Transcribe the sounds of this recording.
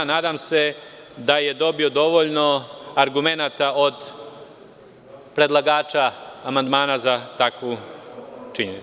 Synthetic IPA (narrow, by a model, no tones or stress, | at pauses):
naːd̪aːmse̞ | d̪aje̞d̪o̞bio̞d̪o̞ʋo̞ʎno̞aɾɡume̞naːt̪ao̞d̪ | pɾe̞d̪lˠaɡaːt͡ʃaːmand̪maːnazat̪akʋu | t͡ʃiɲenḭ